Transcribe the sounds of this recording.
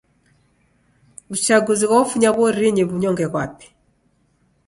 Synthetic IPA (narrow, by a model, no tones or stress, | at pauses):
ut͡ʃaɡuziɣwaufuɲaβɔɾiɲiβuɲɔŋɡɛɣwapɛ̥